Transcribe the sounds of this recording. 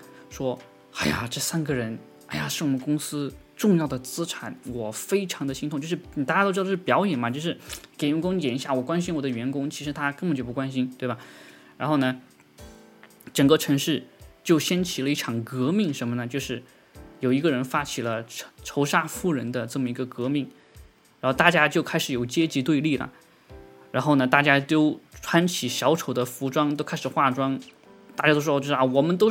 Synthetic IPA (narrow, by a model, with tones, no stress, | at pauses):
ʂwɔ˥ | a˥˩ɪja̰˨˩ʈ͡ʂɤ˥˩sa˥nɡə˨ɻə˧˥n | a˥˩ɪja˨˩ʂɻ̩˥˩wɔ˨˩mə˦nkʊ˥ŋsɹ̩˥ | ʈ͡ʂʊ˥˧ŋjɑ˥˩ʊd̪ə˩t͡sɹ̩˥ʈ͡ʂʰa˨˩˦nwɔ˨˩fe˥ɪʈ͡ʂʰɑ˧˥ŋd̪ə˧ɕi˥˧t̪ʰʊ˧˥ŋt͡ɕʂɻ̩˥˩˨t̪a˥˩a˥o˥˧˥ʂpjɑ˧˥ʊjɛ˨˩nmɐ˦t͡ɕjo˥˧ʊʂɻ̩˥˩ke˨˩ɪɥɛ˧˥nkʊ˥ŋ˩t͡ɕjɛ˨˩ni˧˥ɕja˥˩wɔ˨˩kwa˥nɕ̬i˥nwɔ˨˩d̪ə˦ɥɛ˧˥nkʊ˥ŋt͡ɕʰi˧˥ʂɻ̩˧˥t̪ʰa˥kə˥ŋbə˨˩t͡ɕjo˥˩pwa˥nɕi˥nt̪we˥˩ɪba˩ɻa˧˥nxo˥˩nə˩ | ʈ͡ʂə˨˩ŋkə˥˧ʈ͡ʂʰɤ˧˥ŋʂɻ̩˥˩t͡ɕjo˥˩ʊɕjɛ˥nt͡ɕʰi˨˩lə˦i˥˩ʈ͡ʂʰɑ˨˩ŋkɤ˧˥mi˥˩ŋʂə˧˥nmə˧nə˩t͡ɕjo˥˧ʊʂɻ̩˥˩ | jo˨˩ʊi˧˥ɡə˥˧ɻə˧˥nfa˥t͡ɕʰi˨˩lə˦ʈ͡ʂʰo˧˥ʊʂa˥fu˥˩ɻə˧˥nd̪ə˧ʈ͡ʂɤ˥˩mə˩i˧˥ɡə˧kɤ˧˥mi˥˩ŋ | ɻa˧˥nxo˥˧ʊt̪a˥˩t͡ɕja˥t͡ɕjo˥˧ʊkʰa˥ɪʂɻ̩˨˩˦jo˨˩ʊt͡ɕjɛ˥t͡ɕi˧˥t̪we˥˧ɪli˥˩lə̰˩ | ɻa˧˥nxo˥˩ʊnə˩t̪a˥˩t͡ɕja˥t̪o˥ʊʈ͡ʂʰwa˥nt͡ɕʰi˨˩ɕjɑ˧˥ʊʈ͡ʂʰo˨˩ʊd̪ə˦fu˧˥ʈ͡ʂwɑ˥ŋt̪o˥ʊkʰɪʂɻ̩˨˩xwa˥˩ʈ͡ʂwɑ˥ŋ | t̪a˥˩t͡ɕja˥t̪o˥ʊʂʂwɔ˨˩mə˦nt̪̬o˥ʊ